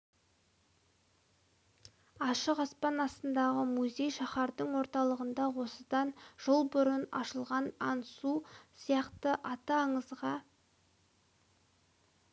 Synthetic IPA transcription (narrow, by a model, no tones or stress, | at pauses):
ɑʃəqɑspɑnɑst̪ənd̪ɑʁəmuzʲe̞jʃɑχɑɾd̪əɴwo̞ɾt̪ɑlˠəʁənd̪ɑwo̞səd̪ɑnʒ̥olˠbʊɾənɑ̰ʃəlˠʁɑnɑnsusijɑqt̪əʔɑt̪ɑːɴəzʁɑ